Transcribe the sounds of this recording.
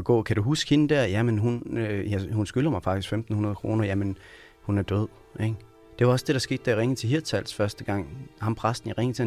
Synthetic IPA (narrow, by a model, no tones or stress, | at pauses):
ɡ̥ɔ̰̽ːkʰæd̥uɦusɡ̥he̝nəd̥æɐjæmenɦunøjæhunsɡ̥ylɐmɑ̈ɪfɑ̈ɡ̥isɡ̥femd̥n̩hunɐð̞ˠkʰʁo̝̰ːnɐjæmen | hunæɐd̥øð̰ˠ | e | d̥e̝ʋɑ̈ɒ̽sd̥e̝ɾ̥ɑ̈sɡ̥e̝̰ːd̥æɐiʁeŋ̩t͡sʰe̝ɦiɐ̥t͡sʰæl̰sfɶɐsd̥əɡ̥ɑ̈ŋ̰hɑ̈mpʰʁasd̥n̩iʁeŋt͡sʰe